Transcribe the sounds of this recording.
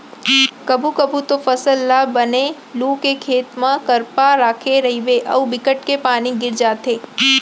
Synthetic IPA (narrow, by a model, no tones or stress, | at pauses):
kəbʱukəbut̪ofəsəlːabəne | lukekʰeːt̪mãkəɾpaɾaːkʰeɾəɦiʋeʔə̰ubɪkəʈkepaːniɡɪɾd͡ʒat̪ʰe